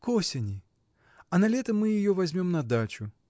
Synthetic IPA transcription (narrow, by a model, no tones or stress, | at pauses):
kɔsʲɐnʲi | ɐnɐlʲɛt̪ɐmːɨjɪjɔvazʲmʲɔmnɐd̪at͡ʃu